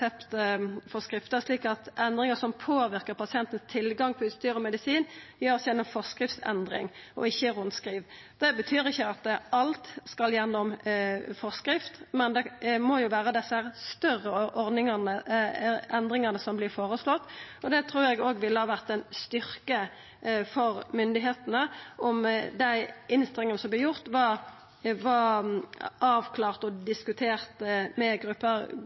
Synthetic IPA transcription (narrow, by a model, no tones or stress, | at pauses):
ɛpt̪əfɔʁskɾɪft̪əʂliːkɑt̪ɛnd̪ʁɪŋəsɔmpʰoːʋɪʁkəɾpɑsɪɛnt̪ən̩st̪ʰɪlɡɑŋpʰɔʉst̪yːɾɔmɛd̪ɪsiːnjøːʁsjɛnːɔmfɔskɾɪft̪sɛ̰nd̪ɾɪ̰ŋɔ̰ɪçːəʁʊnskɾiːʋ | d̪ɛbət̪ʰyːɾɪçːəɑt̪ɑlt̪skɑljɛnːɔmfɔʁskɾɪft̪mɛnd̪ɛmɔjʊʋæːɾəd̪ɛsəhæːʁst̪œʁːəʔɔɾd̪ɪŋɑnə | ɛnd̪ʁɪŋɑnəsɔmblɪfoːɾəslɔt̪ːɔd̪ɛt̪ʰɾuːɾɛɡoːɡʋɪlːəhɑːʋæʁt̪ɛnst̪ʏɾkə | fɔɾmʏnd̪ɪɦeːt̪ənəʔɔmd̪æɪʔɪnst̪ɾɛŋːənsɔmb̪ɪjʊʁt̪ʋɑʁ | ʋɑ | ʔɑːʋkʰlɑːʁt̪ɔd̪ɪskʉt̪ʰeːɾt̪mɛɡɾʉpːəʁ